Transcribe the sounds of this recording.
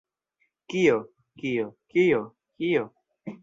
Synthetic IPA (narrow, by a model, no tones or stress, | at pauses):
kijo | kijokijo | kijo